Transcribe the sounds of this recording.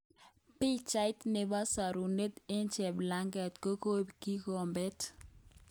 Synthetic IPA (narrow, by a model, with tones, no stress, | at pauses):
pi˦t͡ʃa˦ɪ˦tne˨ba˦sa˨ɾu˨ne˦t̪e˦nt͡ʃɛ˨bla˦ŋɡɛ˨tko˦ko˦bki˦ko˨mbɛ˦t